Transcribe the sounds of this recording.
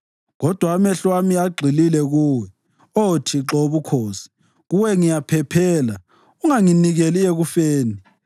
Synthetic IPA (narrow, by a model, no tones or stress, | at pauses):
ɣɔd̥ʱwaːmɛɬwamiaɡ͡ǃʱililɛɣuːwɛ | otʰiǁoβukʰoːsi̥ | ɣuwɛŋijapʰɛpʰɛːla | uŋaŋiniɣelieɣufeːni